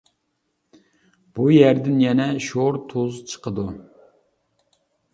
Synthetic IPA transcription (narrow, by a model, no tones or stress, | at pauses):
b̥ujæɾd̪ɪnjɛnɛʃoɾt̪ʰozt͡ʃʰə̥qʰəd̪u